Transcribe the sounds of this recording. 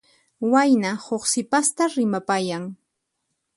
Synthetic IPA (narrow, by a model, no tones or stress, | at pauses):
wajnahoχsɪpast̪aɾɪmapajaŋ